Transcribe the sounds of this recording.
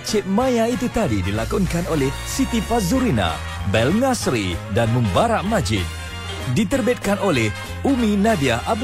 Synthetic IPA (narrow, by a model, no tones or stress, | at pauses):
t͡ʃɪt̪̚mãjait̪ut̪adidilakuŋkanolɛhsit̪ipazuɾina̰ | bɛlŋasɾidanmə̃mbaɾaʔmãd͡ʒɪ̰t̪̚ | dit̪ərbɛt̪̚kanolɛh | uminabiahʔab̚